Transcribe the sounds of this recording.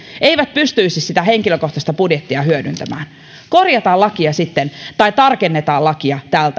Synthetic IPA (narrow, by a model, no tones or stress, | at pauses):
e̞iʋæt̪̚pyst̪yisissit̪æhe̞ŋkiløkoht̪ɑst̪ɑpudjet̪ːiɑhyødynt̪æmæ̰ːn | korjɑt̪ɑːlɑkiɑsit̪ːent̪ɑjt̪ɑrkenːet̪ɑːlɑkiɑt̪æːlt̪